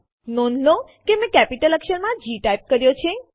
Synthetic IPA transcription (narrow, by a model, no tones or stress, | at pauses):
nonlokemẽkɛpiʈələkʃəɾmãd͡ʒiʈajp̚kəɾjot͡ʃʰe